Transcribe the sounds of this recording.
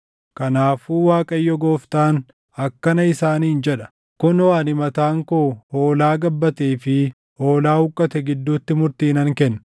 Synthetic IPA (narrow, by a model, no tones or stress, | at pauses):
kɐnaːfuːwaːkʼɐjːɔɡoːft̪aːn | ɐkːɐnɐɪsaːniːnd͡ʒɛᶑɐ̥ | kʊnɔaːnɪmɐt̪aːŋkoːho̞ːlaːɡɐbːɐt̪eːfɪ | ho̞ːlaːhʊkʼːɐt̪ɛɡɪd̪ːuːt̪ːɪmʊɾt̪iːnɐŋkɛnː